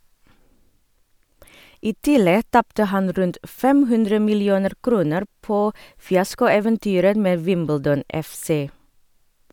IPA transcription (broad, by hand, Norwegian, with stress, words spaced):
ˈiː ˈtɪlɛ ˈtɑptə ˈhɑn ˈɾʉnt ˈfɛm ˈhʉndɾə mɪlɪˈuːnəɾ ˈkɾuːnəɾ ˈpoː fɪˈɑskʊˌeːʋənˌtyːɾə ˈmeː ˈʋɪmbəldɔn ɛfˈseː